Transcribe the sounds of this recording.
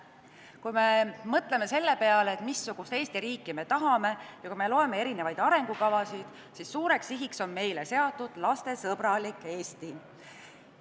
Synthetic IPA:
kujme̞mɤt̪ˑle̞me̞se̞lːe̞pe̞ɑleːt̪ˑmisːuɡ̥ust̪e̞ːst̪iɾiːkːˑime̞t̪ɑɦɑme̞jɑkujme̞lo̞eme̞e̞ɾine̞vɑjd̪̥ɑɾe̞ŋɡ̥ukɑvɑsid̪̥ | sisːuːɾe̞ksiɦikso̞nme̞jle̞se̞ɑt̪ːˑud̪̥lɑst̪e̞sɤb̥ɾɑlikːˑe̞ːst̪i

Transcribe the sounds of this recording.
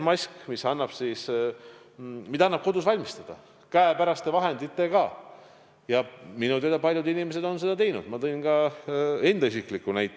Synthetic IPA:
mɑsʲkmisɑnːɑb̥sis | mid̪ɑɑnːɑb̥̚ko̞d̪usvɑlʲmist̪ɑd̪̥ɑ | kæepæɾɑst̪evɑɦe̞nd̪̥it̪ːekɑː | jɑminut̪ed̪ɑpɑlʲjud̪inimes̬e̞d̪o̞ns̬e̞d̪ɑt̪e̞jnṵd̪̥mɑt̪ɤ̞inɡɑe̞nd̪ɑis̬iklikːˑunæjt̪ːˑ

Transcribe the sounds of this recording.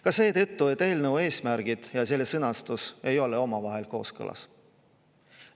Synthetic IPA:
kɑse̞ːt̪ɤ̞t̪ːuet̪ːe̞ːlnewe̞ːsmæɾɡ̥id̪̥jɑse̞lːesɤnɑst̪use̞jo̞leo̞mɑvɑɦe̞lko̞ːskɤ̰lʔɑ̰s

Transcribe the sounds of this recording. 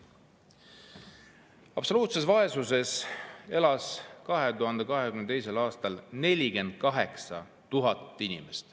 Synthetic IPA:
ɑb̥so̞luːt̪se̞svɑe̞suse̞se̞lɑskɑɦe̞t̪uɦɑnd̪̥e̞kɑɦekymnt̪ejs̬e̞lɑːst̪ɑlne̞lʲike̞nd̪̥̚kɑɦe̞ksɑ | t̪uɦɑt̪ːˑinʲimest̪

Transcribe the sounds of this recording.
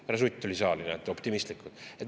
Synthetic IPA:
æɾɑs̬ujt̪ʲːolʲisɑːlinet̪ːˑopt̪imist̪likːud̥̪et̪

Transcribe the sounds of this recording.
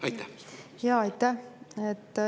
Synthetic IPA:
ɑjt̪ːæ | jɑːɑjt̪ːæet̪ː

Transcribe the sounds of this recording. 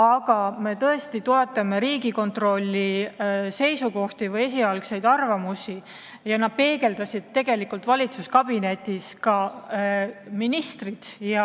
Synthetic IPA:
ɑɡ̥ɑme̞t̪ɤe̞st̪it̪oe̞t̪ːˑɑme̞ɾiːɡ̥iko̞nt̪ro̞lʲːise̞jsuko̞ht̪ivɤje̞s̬iɑlkse̞jd̪ɑrvɑmusi | jɑnɑd̪̥̚pe̞ːɡe̞ld̪̥ɑsid̪̥̚t̪ːe̞ɡ̥e̞likːˑult̪vɑlʲit̪suskɑb̥ine̞t̪ːˑiskɑ | minist̪rit̪jɑ

